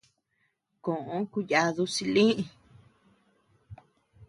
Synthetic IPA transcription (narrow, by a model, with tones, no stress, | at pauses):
kõ˨ʔõ˧˦ku˧ja˧ðu˧si˧lĩ˦ʔĩ˧